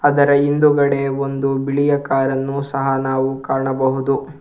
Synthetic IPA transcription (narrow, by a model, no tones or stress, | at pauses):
ɐd̪ɐɾɐind̪uɡɐɽe̞o̞nd̪ubiɭijɐkaːɾɐnːusɐɦɐnaːʋukaːɳɐbɐɦud̪u